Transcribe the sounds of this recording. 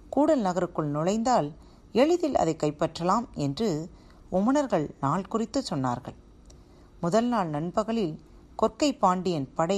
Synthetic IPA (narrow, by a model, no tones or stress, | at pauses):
kuːɽɐlnɐɣɐɾɯkːɯɭnʊɭɐɪnd̪aːl | ɛɻɯðɪlɐ̰ðɐɪkːɐɪpːɐʈrɐlaːmɛndrɯ | ʊmːɐnɐɾɣɐɭnaːɭkʊrɪt̪ːɯsɔnːa̰ːɾɣɐ̰ɭ | mʊðɐlnaːɭnɐnbɐɣɐɭɪl | kɔrkɐɪpːaːɳɖɪjɐnpɐɽɐ